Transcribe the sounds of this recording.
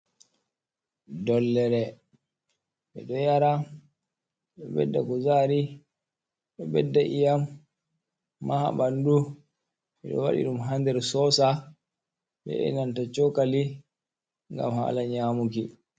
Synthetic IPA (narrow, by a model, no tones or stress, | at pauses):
dɔlːɛɾɛ | ɓɛɗɔjaɾa | ɓɛbɛ̰dːakɔzaːɾi | ɓɛbɛdːaʔijam | aha̰ɓandu | ɓɛɗɔ̰wa̰ɗḭɗumɦandɛɾsɔsa | ɓɛ̰ʔɛ̰nantat͡ʃɔkali | ŋɡa̰mha̰laɲaːmuki